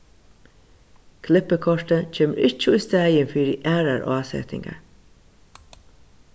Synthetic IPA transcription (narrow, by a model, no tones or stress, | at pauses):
kʰlɪpəkʰɔʂt̪ət͡ʃʰeːməʔɪt͡ʃːəust̪æːjənfiːɾəʔæːɹaɾʔo̰asɛ̰t̪ɪ̰ŋɡa̰ɹ